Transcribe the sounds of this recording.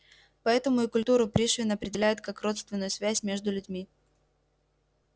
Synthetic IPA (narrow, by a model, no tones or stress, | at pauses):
pɐɛt̪əmʊɪkʊlʲt̪uɾʊpɾʲiʂvʲɪnəɐpɾʲɪdʲɪlʲæjʊt̪̚kakro̞t̪st̪vʲɪnːəjʊsvʲæsʲmʲe̞ʐd̪ʊlʲʉdʲmʲi